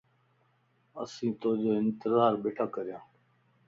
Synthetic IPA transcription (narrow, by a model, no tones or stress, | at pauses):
ə̰sĩːt̪oːd͡ʒoːɪnt̪ɪzaːɾɓeːʈʰaːkəɾɪjãː